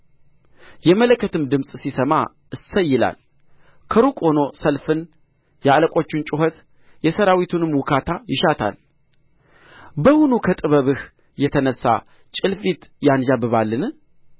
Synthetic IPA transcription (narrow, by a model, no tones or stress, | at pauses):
jɛmələkʰːət̪ɨmd̪ɨmsʼsisəma̰ | ɨsəjːɪla̰l | kʰəɾukʼo̞no̞səlfɨn | jɛaləkʼo̞t͡ʃːɪnt͡ʃʼɪɦət̪ | jɛsəɾawit̪ʰunɨmwʊkʰat̪ʰajɪʃat̪ʰa̰l | bəhunukʰət̪ʼɨβəβɨh | jɛt̪ʰənəsːa̰ | t͡ʃʼɨlfit̪jand͡ʒabɨβalːɨn